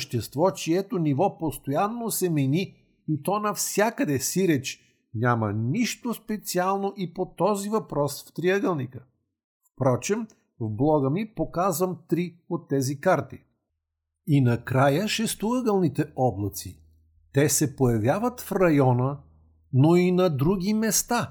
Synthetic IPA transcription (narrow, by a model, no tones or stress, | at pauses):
ʃt̪ɛst̪vɔt͡ʃiɛt̪onivɔpost̪ojanːosɛmɛnʲi | it̪ɔnɐfsʲjakəd̪ɛsiɾɛt͡ʃ | nʲaməniʃt̪ospɛt̪sialˠnoʔipot̪ɔzivɐpɾɔsft̪ɾiəɡəlˠnikə | fpɾɔt͡ʃɛm | vblˠɔɡəmipokazvəmt̪ɾiot̪ːɛzikaɾt̪i | inɐkɾajəʃɛst̪oəɡəlˠnit̪ɛʔɔblˠɐt̪si | t̪ɛsɛpojɐvjavət̪fɾɐjɔnə | noinɐd̪ɾuɡʲimɛst̪a